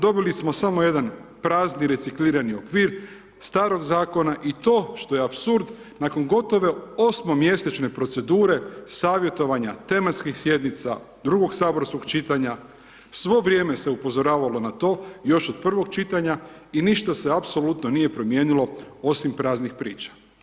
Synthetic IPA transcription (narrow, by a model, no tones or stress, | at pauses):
d̪o̞bilismo̞samoje̞d̪anpɾaːzniɾe̞tsikliːɾanio̞kʋiːɾ | st̪aːɾo̞ɡzaːko̞naʔit̪o̞ːʃt̪o̞je̞apsuɾd̪ | nako̞nɡo̞t̪o̞ʋe̞o̞smo̞mje̞se̞t͡ʃne̞pɾo̞t̪se̞d̪uːɾe̞saːʋje̞t̪o̞ʋaɲat̪e̞mat̪skixsje̞d̪nit̪sa̰ | d̪ɾuɡo̞ɡsaːbo̞ɾsko̞ɡ̥t͡ʃit̪aɲa | sʋo̞ʋɾʲje̞ːme̞se̞upo̞zo̞ɾaːʋalo̞nat̪o̞ːjo̞ʃod̪̚pr̩ʋo̞ɡ̚t͡ʃit̪aɲa | iniʃt̪ase̞apso̞lut̪no̞nije̞pɾo̞mje̞ːnilo̞o̞simpɾaːznixpɾiːt͡ʃḁ